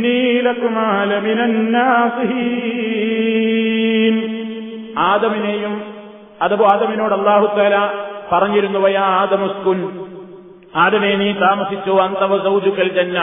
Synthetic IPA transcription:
nːiːlɐkumaːlɐminɐnːaːsiɦi | m | aːd̪ɐminejum | ɐðɐʋuaːd̪ɐmino̞ːɽɐlˠːaːɦut̪aːlapɐrɐɲːiɾunːupɐjaːaːd̪ɐmɐskun | aːd̪ɐmeːniːt̪aːmɐsit͡ɕːoːɐnt̪ɐʋɐzɐwd͡ʑukːɐlt̪ɐnːe

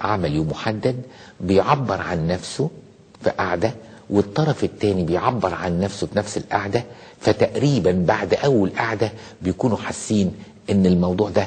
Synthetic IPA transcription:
ʕamæljoːmːʊħad̪ːæd̪̚bejʕabːeɾˤʕanːæfso | fiʔaʕd̪æ | wet̪ˤːɑɾˤɑfɪt̪ːæːnibejʕabːeɾˤʕanːæfsofinæfsɪlʔaʕd̪æ | fæt̪æʔɾiːbænbaʕd̪ʔæwːælʔaʕd̪æ | bejkuːnuħasːiːn | ʔɪnːɪlmɑwd̪ˤuːʕd̪æ

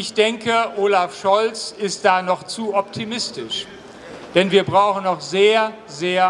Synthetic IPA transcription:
ɪçd̥ɛŋkəʔoːlafʃɔlt͡sɪstd̥aːnɔχt͡suːʔɔp̚tʰimɪstɪʃ | d̥ɛnviːɐbʁaʊxn̩nɔχz̥eːɐ | zeːɐ

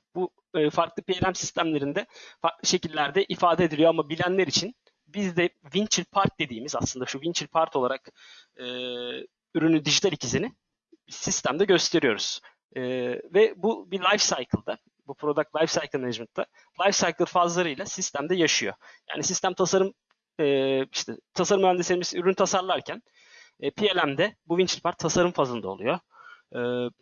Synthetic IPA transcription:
buː | faɾklˠɯpejlʲæmsi̥st̪ʰæmlʲe̞ɾind̪ɛfaɾklˠɯʃe̞cilʲːæɾd̪ɛʔifaːd̪ed̪ilʲijoamabilʲænlʲeɾit͡ʃʰin | bizd̪ɛvint͡ʃilʲpʰaɾk̚d̪e̞d̪iːmiza̰slˠɯnd̪aʃuvint͡ʃʰilʲpʰaɾt̪ʰolˠaɾak | ɯː | yɾynyd̪iʒit̪ʰalʲicʰizinɪ | bisist̪ʰæmd̪ɛɟø̞st̪ʰe̞ɾijo̞ɾṵz̥ | ɯːvɛbubilˠajfsajkʰɯlˠd̪a | bupʰɾo̞d̪ak̪̚lˠajfsajkʰɯlˠneʒmɯt̪ʰːa | lˠajfsajkʰɯlˠfazlˠaɾɯjlʲˠasist̪ʰæmd̪ɛjaʃɯjo̞̰ja̰ːnisist̪æmt̪ʰasaɾɯmː | iʃt̪ʰɛt̪ʰasaɾɯmæmnd̪eseɾʲmizyɾynt̪ʰasaɾlˠaɾcʰæn | ɛːpʰielʲæmd̪ɛbuvint͡ʃʰilʲpʰaɾt̪ʰːasaɾɯmfazlˠɯnaolˠujo | ɯː

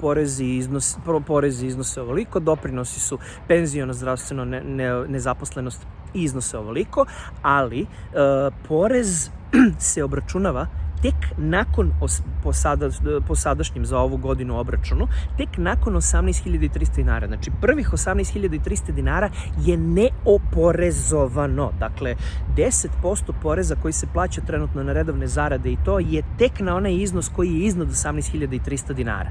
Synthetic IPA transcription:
po̞ɾeziiznospopo̞ɾeziiznoseo̞ʋoliko̞d̪o̞pɾino̞si̥su | pe̞nzio̞nozd̪ɾaʋst̪ʋe̞nonnne̞zapo̞sle̞no̞st̪ | izno̞seoʋoliko̞ | ali | pʰo̞ɾezse̞o̞bɾat͡ʃunaʋat̪e̞knako̞nosposad̪aposad̪aʃɲimzao̞ʋuɡo̞d̪inuo̞bɾat͡ʃunut̪e̞knako̞nosamnɛjst̪xiʎad̪ait̪ɾist̪ad̪ina̰ːɾa̰znat͡ʃipr̩ʋixo̞samnɛst̪xiʎad̪ait̪ɾist̪ad̪inaːɾa | je̞neopo̞ɾezo̞ʋano̞d̪akle̞d̪ese̞t̪po̞st̪o̞po̞ɾe̞zako̞jiseplˠaːt͡ɕat̪ɾenut̪nonaɾed̪o̞ʋnezaɾad̪e̞it̪o̞ːjet̪e̞knao̞najizno̞sko̞jijeiznad̪osamnɛst̪xiʎad̪ait̪ɾist̪ad̪ina̰ːɾa̰

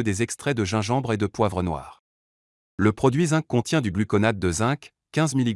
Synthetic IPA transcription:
d̪ezɛkst̪χɛd̪əʒɛ̃ʒɑ̃bʁed̪əpwavʁənwa̰ːʁ | ləpχɔd̪ɥizɛ̃kːɔ̃t̪jɛ̃d̪yɡlykɔnad̪̚ːəzɛ̃k | kːɛ̃zmili

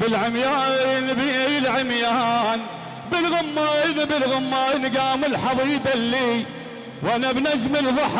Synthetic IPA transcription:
bɪlʕɪmjaːnbjɪlʕɪmjaːn | bɪlɣʊmːaːɣnbɪlɣʊmːaːɣnɡaːmɪlħɑðˤiːd̪alːiː | wʔanabnad͡ʒmɪlðɑħ

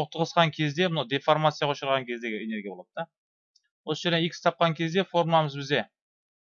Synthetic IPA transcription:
oq̚t̪əʁəsqɑŋkʲʰe̞zd̪e̞mʊnawd̪efoɾmat̪sijaʁoʃəɾʁɑŋkʲʰe̞zd̪e̞ɡʲɪene̞ɾɡʲijabolˠɑd̪əd̪ɑ | wo̞səʒe̞ɾd̪eikʰʲɪsɪ̥t̪ʰɑp̚qɑŋkʲʰe̞zd̪e̞fo̞ɾmaməzbɪzd̪ʲe̞

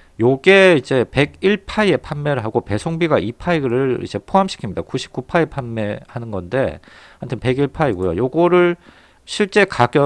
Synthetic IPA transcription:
joɡe̞id͡ʑe̞pe̞ɡiɭpʰaie̞pʰanmeɾɯɭɦaɡope̞sʰoŋbiɡaʔipʰaiɡɯɾɯḭd͡ʑe̞pʰoɦamɕʰi̥kʰimɲidakuɕʰi̥p̚k͈upʰaepʰanːe̞hanɯnɡʌnde̞hantʰɯnpe̞ɡiɭpʰaiɡojo̰joɡʌɾɯɭ | ɕʰiɭt͡ɕ͈e̞kaɡjʌ

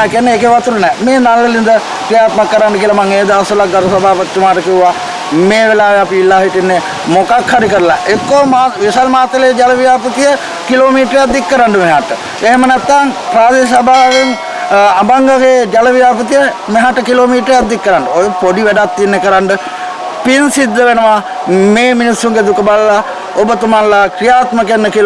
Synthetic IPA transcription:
kiənːeeːkeʋat̪ulənɛːmeːnalːəlind̪ə | kɾijaːt̪makːəɾaɳɖəkiəlɐmaŋeːd̪əasulak̚ɡ̪ɐɾɐsɐbʱaːpət̪ːt͡ʃəmaːʈəkiua | meːʋelaːʋeapiilːaːɦiʈinːe | mokakʰːaɾikəɾəla̰ʔekːomaʋisalmaːt̪ːəled͡ʒɐləʋijaːpət̪ijə | kiloːmiːʈɾjad̪ːikːəɾaɳɖəmeɦaʈə | eɦemənæt̪ːaŋpɾaːd̪es̬abʱaːʋeŋ | abaŋɡaɡed͡ʒaləʋijaːpət̪̬ijə | meɦaʈəkiloːmiːʈəɾejat̪d̪ikːəɾaɳɖəojepoɖiʋæɖat̪ːienːekəɾaɳɖə | pinsid̪ːəʋenəʋa | meːminisɾuŋɡed̪ukəballa | obət̪umanlakɾijaːt̪məkenːəkil

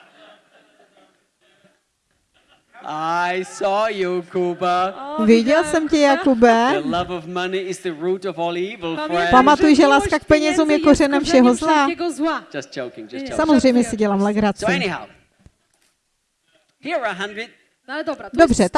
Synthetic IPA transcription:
ʔaɪsɔːjukʰubəvɪɟɛlsɛmcɛjakubɛəlʌvəvmʌniɪzðəɹutəvɔːlˠiːvl̩ˠfɹɛpamat̪ujʒɛlaːskak̚pɛɲɛzuːmjɛkorɛnɛmfʃɛɦozlḁːd͡ʒ̥ʌst͡ʃʰoʊkɪ̃ŋd͡ʒʌsamozr̝ɛjmɲɛsɪɟɛlaːmlɛɡɾat͡soɪɛnɪhɦa̰ʊ | hiəɹaɦãndɹɪd̥̚ | ddobr̝ɛt̪

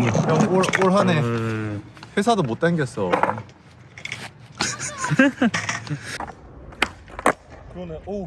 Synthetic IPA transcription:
aoɭoɭɦane | ɸwesʰadomot͈̚aŋɡʌs͈ʌ | kn

